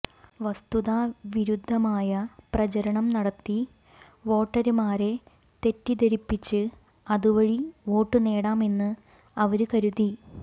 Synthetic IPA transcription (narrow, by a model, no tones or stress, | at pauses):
ʋɐst̪uðaːʋiɾud̪ʱːɐmaːjɐprɐt͡ɕɐɾɐɳɐmnɐɽɐt̪ːi | ʋo̞ːʈːɐɾumaːɾe̞ | t̪e̞tːid̪ɐɾipːit͡ɕːɨ | ɐðuʋɐɻiʋo̞ːʈːɨne̞ːɽaːme̞nːɨ | ɐʋɐɾukɐɾuði